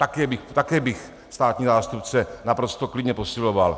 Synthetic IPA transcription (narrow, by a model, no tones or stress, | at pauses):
t̪akɛːbɪxt̪akɛːbɪx | st̪aːt̪ɲiːzaːst̪upt͡sɛnapɾo̞st̪oklɪdɲɛpo̞sɪloval